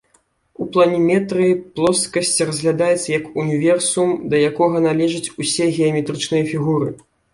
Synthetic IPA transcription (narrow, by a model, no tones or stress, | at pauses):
uplˠɐnʲimʲɛt̪ɾɨjiplˠɔskɐsʲt͡sʲrɐzʲɣlʲad̪ajɛt̪sɐjɐkunʲivʲɛrsumd̪ɐjakɔɣɐnalʲɛʐɐt͡sʲusʲɛɣʲɛɐmʲɛt̪ɾɨt͡ʂnɨjɐfʲiɣuɾɨ